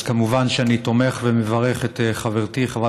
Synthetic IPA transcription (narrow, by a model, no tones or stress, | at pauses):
kamuvanʃeanit̪o̞meχvemevaʁe̞χet̪eχaveʁt̪iχava